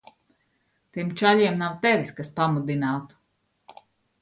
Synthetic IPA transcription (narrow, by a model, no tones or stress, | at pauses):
t̪imt͡ʃalʲɛɛmnawt̪ɛvʲiskaspamud̪inaːt̪u̥